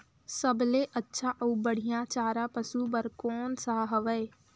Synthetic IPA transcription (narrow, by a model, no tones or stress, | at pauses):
səbleːʔətːʃʰãːʔəuːbəɽ̤ɪjãːt͡ʃaːɾãːpəsuːbəɾkɔːnsaːɦəʋɛe